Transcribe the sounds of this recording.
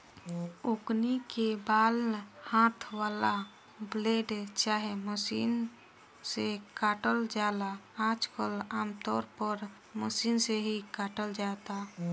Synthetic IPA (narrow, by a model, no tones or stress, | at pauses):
uknikebaːlhãːt̪ʰʋaːla | bleːɖt͡ʃaːɦeməsiːn | sekaːʈəld͡ʒaːlaaːd͡ʒkəlaːmt̪ɔːɾpəɾ | məsiːnseɦikaːʈəld͡ʒaːt̪a